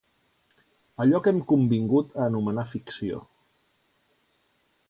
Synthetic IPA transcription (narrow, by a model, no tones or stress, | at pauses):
əʎɔkɛmkumbiŋɡut̪əːnumənafiksio̰